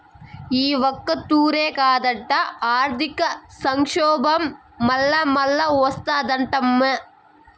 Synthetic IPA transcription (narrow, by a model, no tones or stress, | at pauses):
iːʋɐkːɐt̪ːuːɾeːkaːd̪ɐʈːɐaːɾt̪ɪkːɐsɐŋʂoːbɐmː | ɐlːɐmɐlːɐost̪ad̪ɐɳʈɐmːɐ